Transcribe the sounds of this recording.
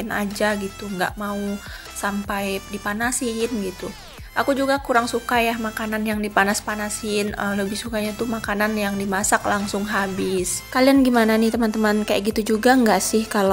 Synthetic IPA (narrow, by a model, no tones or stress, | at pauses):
ɪna̰d͡ʒaɡit̪uŋɡa̰ʔmau | sampajdipanasɪnɡit̪u | ʔakud͡ʒuɡakuɾaŋsukajahmakananjaŋdipanaspanasɪnələbɪhsukaɲat̪umakananjaŋdimasaklaŋsʊŋɦabɪskalianɡimananɪht̪əmant̪əmankaja̰ʔɡit̪ud͡ʒuɡaŋɡaʔsɪhkal